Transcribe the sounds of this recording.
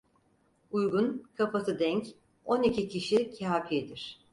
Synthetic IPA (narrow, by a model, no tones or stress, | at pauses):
ujɡunkʰapat̪ʰɯd̪ɛɲc | o̞nicʰicʰiʃicʰaːpʰid̪iɾ̥